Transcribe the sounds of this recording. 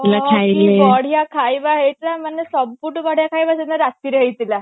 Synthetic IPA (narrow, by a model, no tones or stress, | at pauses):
lakʰajleɔɽ̤jakʰajbaɦet̪lamənːesəbpuʈbɔɽ̤jakʰajbasenaɾast̪iːɾəɦit̪la